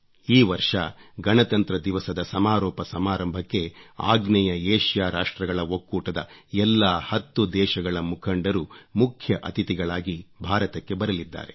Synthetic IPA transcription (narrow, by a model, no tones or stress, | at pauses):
iːʋɐɾʂɐɡɐnɐt̪ɐnt̪ɾɐd̪iʋɐsɐd̪ɐsɐmaːɾɔːpɐsɐmaːɾɐmbʱɐkːe̞a̰ːɡnɛjɐeːʃjaːɾaːʂʈɾɐɡɐɭɐokːuːʈɐd̪ɐ̰ɛlːaːhɐt̪ːud̪ɛːʃɐɡɐɭɐmukʰɐɳɖɐɾumukʰjɐʔɐt̪it̪iɡɐɭaːɡibʱaːɾɐt̪ɐkːebɐɾɐlid̪ːa̰ːɾe